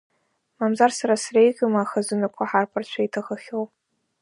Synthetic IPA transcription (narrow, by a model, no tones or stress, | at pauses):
mamzarsaɾasrajɡʲamaːχazɨnakʷʰaħarpʰart͡ʃʷʰaitʰaʁəχʲow